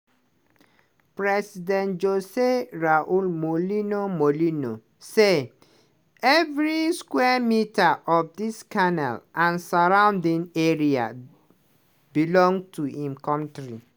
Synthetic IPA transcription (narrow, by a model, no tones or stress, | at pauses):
pɹɛsidɛ̃ntd͡ʒoseɹaʔulmolinomolino̰ | se | ɛvɹiskwɛmitaʔɔfdiskanɛ̰lʔãnsaɹãʊndĩŋeɹia̰ | bilɔ̃ŋtʰuĩmkɔ̃ntɹḭ